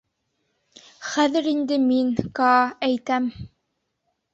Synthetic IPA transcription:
χæðɘ̆ɾind̪ɘminkɑæjt̪æm

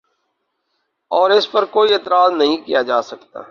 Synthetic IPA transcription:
ɔːɾɪspɐɾkoːiɪt̪ɾaːznɐɦĩkijad͡ʒaːsɐkt̪a̰ː

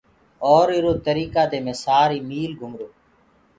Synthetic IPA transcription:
oːɾɪɾoːt̪əɾiːkaːd̪eːmẽːsaːɾiːmiːlɡʱʊmɾoː

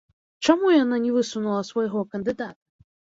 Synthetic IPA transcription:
t͡ʃɔmujananʲɛvɨsunulˠɐsʋɔjɦɔkɐnd̪ɨd̪at̪ɐ̥

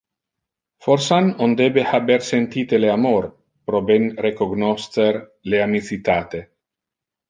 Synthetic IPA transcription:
foɾsanond̪ebehabeɾsent̪it̪eleamoɾ | pɾobenrekoɡnost̪eɾ | leamit͡sit̪at̪e

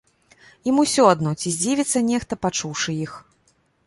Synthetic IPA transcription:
imusʲɔad̪nɔt͡sʲizʲd͡zʲivʲit̪sːɐnʲɛxt̪ɐpat͡ʂuwʂɨix

